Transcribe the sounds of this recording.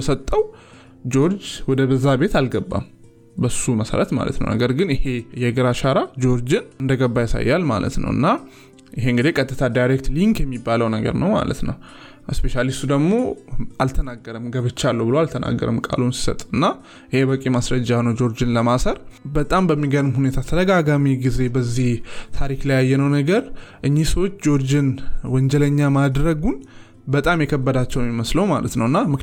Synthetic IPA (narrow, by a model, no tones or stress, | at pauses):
sət̪ʼːəw | d͡ʒo̞ɾd͡ʒwɔd̪əbəzːabe̞t̪alɡəbːa̰m | bəsːuməsə̰ɾət̪ma̰lə̰t̪nə̰wnə̰ɡəɾɡɨnɪhe̞jɛɡɨɾaʃaɾad͡ʒo̞ɾd͡ʒɨnɨnd̪əɡəbːajasa̰jːa̰lma̰lʔə̰t̪nə̰wɨ̰nːa | ɪɦeɨŋɡɨd̪ekʼət̪ʼːɨt̪ʰad̪ajɾek̚t̪liŋkjɛmːibːaləwnəɡə̰ɾnəwma̰lə̰t̪nə̰w | spe̞ʃalist̪ud̪əɡmo̞ʔalt̪ʰənaɡːəɾəmɡəβɨt͡ʃːalːəbɨloalt̪ʰəna̰ɡːə̰ɾə̰mkʼa̰lunsi̥sə̰t̪ʼɨnːa | jɪheβəkʼemasɾəd͡ʒːanəwd͡ʒo̞ɾd͡ʒɨnləmasəɾbət̪ʼambəmːiɡəɾɨmhune̞t̪ʰat̪ʰəɾəɡaɡamiɡize̞bəzːiht̪ʰaɾiklajjːɛnəwnəɡəɾʔɨɲːihsəwot͡ʃːd͡ʒo̞ɾd͡ʒɨnwɔɲd͡ʒɛləɲːamad̪ɾəɡun | bət̪ʼamjɛkʰəbːəd̪at͡ʃːɛwmːiməsləwmalə̰t̪nəwɨnːamɨ